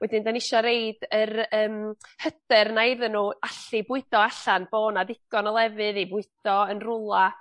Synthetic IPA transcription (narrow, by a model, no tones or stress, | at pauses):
wɛdɪndanɪʃɔɾejdərəːmhədɨrnajðənuːaɬibʊɨdɔaɬanb̥oːnaðɪɡ̥ɔnɔlˠɛvɨðibʊɨd̥ɔənrʊlˠa